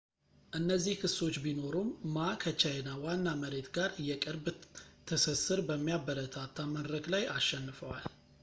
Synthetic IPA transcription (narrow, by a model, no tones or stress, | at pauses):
ʔɨnːəzːihkʰɨsːo̞t͡ʃːbino̞ɾumːakʰət͡ʃajnawanːaməɾe̞t̪ɡaɾɨjɛkʼəɾbt̪ʰəsɨsːɨɾbəmːijabːəɾət̪ʰat̪ʰːaməd̪ɾəɡlajaʃːɛnːɨfəwa̰l